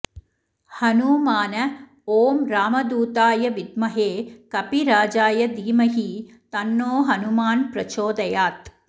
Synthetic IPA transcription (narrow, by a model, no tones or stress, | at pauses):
hɐnumaːnɐ | oːmɾaːmɐd̪uːt̪aːjɐʋid̪mɐɦeːkɐpiɾaːd͡ʒaːjɐd̪iːmɐɦi | t̪ɐnːoːɦɐnumaːnpɾɐt͡ʃoːd̪ɐjaːt̪